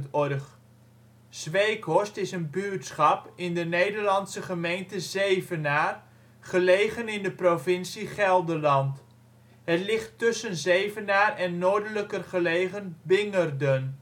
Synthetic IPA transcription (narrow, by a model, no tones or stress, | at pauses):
tɔrχ | z̥ʋejkʰɔstɪsənbytsχɑpɪndənejdərlɑnsəχəmejntəzejvənaːr | χəlejɣənɪndəprovɪnsiχɛlˠdəlɑnt | ɦətlɪχtːʏsənzejvənaːrɛnːoːɹdələkərχəleːɣənbɪŋərdən